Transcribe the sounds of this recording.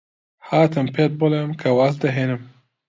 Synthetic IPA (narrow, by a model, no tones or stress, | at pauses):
haːt̪ɨmpʰet̪̚bʊlemkʰɐwasd̪ɐɦeːnɨm